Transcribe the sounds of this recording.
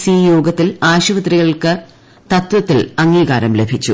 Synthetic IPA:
siːjo̞ːɡɐt̪ːilaːɕuʋɐt̪riɣɐɭkɨ | t̪ɐt̪wɐt̪ːilɐŋːiːɣaːɾɐmle̞bʱit͡ɕːu

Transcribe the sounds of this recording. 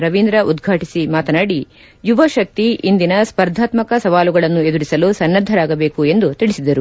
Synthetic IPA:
ɾɐʋind̪ɾɐʔud̪ɡʱaːʈisimaːt̪ɐnaːɽi | juʋɐʃɐk̚t̪iʔind̪inɐspɐɾd̪ʱaːt̪mɐkɐsɐʋaːluɡɐɭɐnːue̞d̪uɾisɐlusɐnːɐd̪ʱːɐɾaːɡɐbe̞ːkue̞nd̪ut̪iɭisid̪ɐɾu

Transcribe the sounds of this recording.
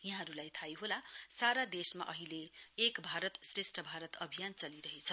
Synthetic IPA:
jaɦãɦʌɾulajt̪ʰajɦolasaɾad̪esma̰ʔʌɦileːkbʱaɾʌt̪sresʈʌbʱaɾʌt̪ʌbʱijant͡sʌliɾʌɦet͡sʰʌ

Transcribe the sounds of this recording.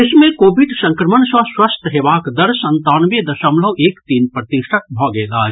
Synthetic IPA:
ɪsmẽkoːʋɪɖsɐ̃ŋkɾəmənsaswɐst̪ʰɦeːʋaːkd̪ɐɾsɐ̃nt̪aːnʋed̪ɐʃəmləʋeːkt̪iːnpɾɐt̪ɪʃʈʰək̚bʱɔːɡeːlaː

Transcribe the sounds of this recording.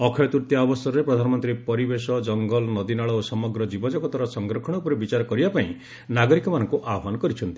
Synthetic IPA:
ɔkʰɔjɔt̪uɾt̪jaɔbɔsɔɾɔɾepɾɔd̪ʱanɔmɔnt̪ɾipɔɾibesɔd͡ʒɔŋɡɔlɔnɔd̪inaɭɔosɔmɔɡɾɔd͡ʒibɔd͡ʒɔkɔt̪waɾɔsɔŋɡɾɔkʰɔɽ̃ɔupɔɾebit͡ʃaɾɔkɔɾibapaĩ | naɡɔɾikɔmanɔŋkuʔaɔmanɔkɔɾit͡ʃʰɔnt̪i

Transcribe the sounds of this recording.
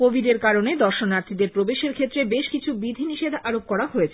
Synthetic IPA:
kobʱiɖeɾkaɾoned̪ɔɾʃonnaɾt̪ʰid̪eɾpɾobeʃeɾkʰet̪ːɾebeʃkit͡ɕʰubid̪ʱiniʃed̪ʱaɾop̚kɔɾaɦojet͡ɕʰe

